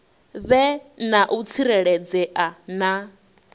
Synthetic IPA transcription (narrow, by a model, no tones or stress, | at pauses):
βɛnaʔut͡sʰiɾɛɺɛd͡zɛʔana